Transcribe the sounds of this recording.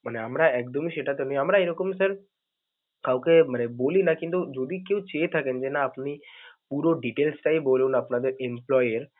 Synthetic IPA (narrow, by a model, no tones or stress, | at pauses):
məneəmɾaek̚d̪ɔmiʃeʈat̪enĩəmɾaeɾəkomsəɾ | kaukeməneboːlinakĩnt̪ud͡ʒod̪ʱikeːt͡ʃet̪ʰakend͡ʒenaːpnipuːɾoɖiʈeːlsʈaiboːlonaəpnad̪eɾemplɔːjəɾ